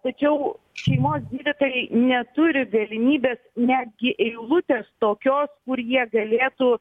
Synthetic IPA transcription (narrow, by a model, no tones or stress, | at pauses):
t̪ɐt͡ʃʲɛʊ | ʃʲɛɪmoːsd̪ʲiːd̪ʲɪt̪oːjɛɪnʲɛt̪ʊɾʲɪɡɐlʲɪmʲiːbʲeːsnʲæːd̪̚ʲɡʲɪʔɛɪlˠʊt̪ʲeːst̪oːkʲoːskʊɾjiɛɡɐlʲeːt̪u